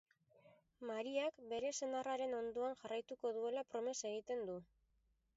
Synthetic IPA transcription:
maɾiakbe̞ɾe̞se̞naraɾe̞no̞nd̪oanʝarajt̪uko̞ðue̞lapɾo̞me̞se̞ɣ̞it̪e̞nd̪u

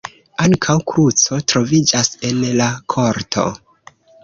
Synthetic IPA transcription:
aŋkʰawkɾut͡so̞tɾo̞vid͡ʒase̞nlakʰo̞ɾtʰo̞̰

